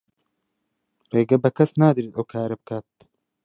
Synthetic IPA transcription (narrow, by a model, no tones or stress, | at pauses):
reːɡɐbɐkʰɐsnaːd̪ɨɾiːt̪owkʰaːɾɐbɨkʰaːt̪̚